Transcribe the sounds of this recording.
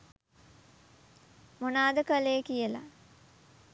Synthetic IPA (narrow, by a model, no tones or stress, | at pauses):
monaːd̪əkəlejkijəla̰